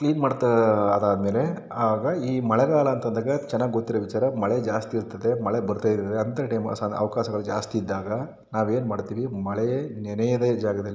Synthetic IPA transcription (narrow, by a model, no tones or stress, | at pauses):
kliːnmaːɖt̪ɐɐd̪aːd̪ɐme̞ːle̞ | aːʋaːɡɐiːmɐɭɛɡaːɭɐɐnt̪ɐnd̪aːɡɐt͡ʃɛnːaːɡiɡot̪ːiɾɐʋit͡ʃaːɾɐmɐɭed͡ʒaːst̪iːɾt̪ːɐd̪e̞mɐɭebɐɾut̪aːiɾt̪ːɐd̪eɐnt̪ɐʈɐjmsanɐ̰ʋɐkaːʃɐɡɐɭud͡ʒaːst̪iːd̪ːaːɡɐ | naːʋe̞ːnmaːɖt̪iːʋimɐɭenɛnɛjɐd̪ed͡ʒaːɡɐd̪ɐlː